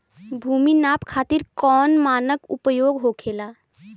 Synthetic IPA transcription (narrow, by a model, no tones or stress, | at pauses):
bʱuːminaːpkʰaːt̪iɾkɔːnmaːnəkʊ̰pəjoːɡɦokʰeːlaː